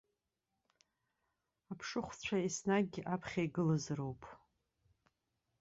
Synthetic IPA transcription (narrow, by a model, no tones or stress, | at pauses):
apʰʂɨχʷt͡ɕʷʰaisnaɡ̚ɡʲiʔapʰχʲajɡɨlɨzrowpʼʰ